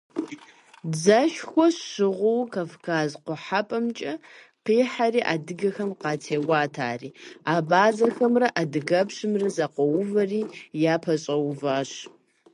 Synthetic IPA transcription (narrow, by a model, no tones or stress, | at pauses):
d͡zɐʃxʷɔɕɕɪʁʷʊwkʰafkʰaːzqʷʊħapʼɐmt͡ʃʼɐ | qiːħariːʔaːdɨɡɐxɐmqɑːtʰeːɡʷaːtʰaːrḭːaːbaːzɐxɐmrɐʔadɨɣɐpɕɨmrɐzɐqʷɔwʊvɐriːjaːpʰɐɕʼɐwʊvaːɕ